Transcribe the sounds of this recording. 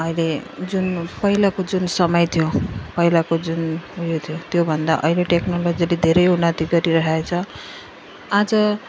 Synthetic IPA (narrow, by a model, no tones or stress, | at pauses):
ʌjled͡zunpʌɦilakod͡zunsʌmʌjt̪ʰijopʌɦilakod͡zunujot̪ʰijot̪jobʱʌnd̪a̰ʔʌ̰ileʈeknolod͡ziled̪ʱeɾʌjunat̪iɡʌɾiɾʌɦaet͡sʰʌ | ad͡zʌ